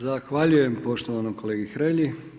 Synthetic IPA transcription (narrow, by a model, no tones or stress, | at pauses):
zaxʋaʎujempo̞ʃt̪oʋanoko̞leːɡixɾeʎi